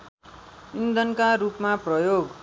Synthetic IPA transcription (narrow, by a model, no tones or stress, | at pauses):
ind̪ʱʌnkaɾupmaprʌjoɡ